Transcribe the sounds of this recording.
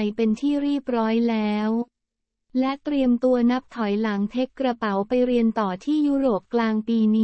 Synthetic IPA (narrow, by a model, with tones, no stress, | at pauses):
jpe˧nt̪ʰiː˥˩ɾiː˥˩p̚ɾɔː˦˥jlɛː˦˥w | lɛ˦˥ʔt̪ɾi˧əmt̪u˧ɐna˦˥p̚t̪ʰɔ˨˩˦jla˩˦ŋt̪ʰe˦˥kːɾa˧pa˩˦wpa˧jɾi˧ənt̪ɔː˨˩t̪ʰiː˥˩juː˦˥ɾoː˨˩p̚klaː˧ŋpiː˧niː˦